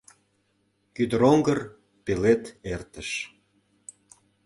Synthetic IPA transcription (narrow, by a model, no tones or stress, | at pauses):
kyd̪əɾoŋɡər | pelet̪ert̪əʃ